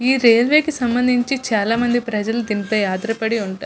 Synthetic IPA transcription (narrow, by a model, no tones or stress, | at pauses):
iːɾeːlʋe̞ːkesɐmbɐnd̪ʱiɲt͡ʃit͡ʃaːlaːmɐnd̪ipɾɐd͡ʒɐlud̪inipeːjaːd̪ɾɐpɐɽiuɳʈa̰